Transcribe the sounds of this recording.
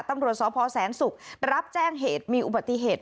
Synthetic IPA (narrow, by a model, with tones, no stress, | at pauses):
t̪a˧mɾu˨˩ət̪̚sɔː˨˦pʰɔː˧sɛː˩˦nsu˨˩k̚ɾa˦˥p̚t͡ɕɛː˥˩ŋɦeː˨˩t̪̚miː˧ʔu˨ba˨˩t̪ːi˨ɦeː˨˩t̪̚